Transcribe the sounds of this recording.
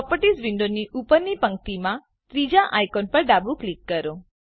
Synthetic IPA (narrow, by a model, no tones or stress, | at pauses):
pɔpəʈisʋiɳɖ̪oniʔupəɾnipəŋk̚t̪imã | t̪ɾid͡ʒaʔajkɔnpəɾɖabũklikːəɾo